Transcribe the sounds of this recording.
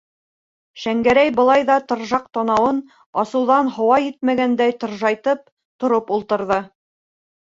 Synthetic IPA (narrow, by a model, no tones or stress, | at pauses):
ʃæŋɡæɾæjbɤ̆lˠɑjðɑt̪ɤ̆ɾʒɑq̚t̪ɑnɑwɤn | ɑsɤ̆wðɑnɦŏwɑjit̪̚mæɡænd̪æjt̪ɤ̆ɾʒɑjt̪ɤp̚ | t̪ŏɾopulˠt̪ɤ̆ɾðɤ